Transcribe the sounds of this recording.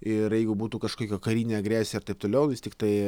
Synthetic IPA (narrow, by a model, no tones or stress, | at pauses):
ɪɾjɛɪɡʊbuːt̪uːkɐʃkoːkʲoːkɐɾʲiːnʲeːɐɡɾʲæːsʲɐrt̪ɐɪpt̪oːlʲɛʊʋʲɪst̪ʲɪkt̪ɐɪ